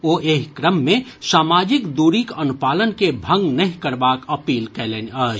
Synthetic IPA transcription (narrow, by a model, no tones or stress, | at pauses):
oːʔeːɦkɾəmːẽsaːmaːd͡ʒɪkd̪uːɾikɐnupaːlənkebʱə̃ŋɡnɐɦĩkəɾbaːkəpiːlkɛːleːnəːd͡ʒ